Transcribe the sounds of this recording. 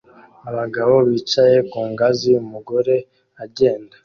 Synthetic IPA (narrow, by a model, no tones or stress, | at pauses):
aβaɡaβo̞βiːt͡ʃaje̞kuːŋɡaziumuɡo̞ɾe̞ | aɟe̞ːndḁ